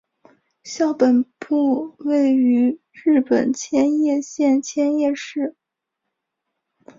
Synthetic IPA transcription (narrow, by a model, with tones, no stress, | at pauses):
ɕjɑ˥˩ʊpə˨˩npu˥˧we˥˩ɪy˧˥ | ɻɻ̩˥˩pə̰˨˩nt͡ɕʰjɛ˥njɛ˥˧ɕjɛ˥˧nt͡ɕʰjɛ˥njɛ˥˧ʂɻ̩˥˩